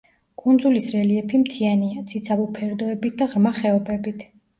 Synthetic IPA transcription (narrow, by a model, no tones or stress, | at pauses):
kʼund̪zulisɾɛliɛpʰimt̪ʰianiat̪sʰit̪sʰabɔpʰɛɾd̪ɔɛbit̪̚ʰd̪aʁɾmaχɛɔbɛbit̪ʰ